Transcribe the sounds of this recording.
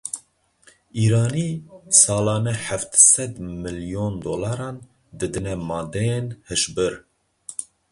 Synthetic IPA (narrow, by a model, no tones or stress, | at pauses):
iːɾɑːnisɑːlɑːnɛħæft̪sɛd̪mɨljond̪oːlɑɾɑːn | d̪ɨd̪ɨnɛmɑːd̪ɛjenhɨʃbɨɾ